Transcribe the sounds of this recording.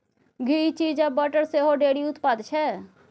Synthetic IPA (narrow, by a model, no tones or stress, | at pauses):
ɡʱiːt͡ʃiːd͡ʒabəʈəɾseɦoɖeːɽiʊt̪pad̪t͡ʃʰɛ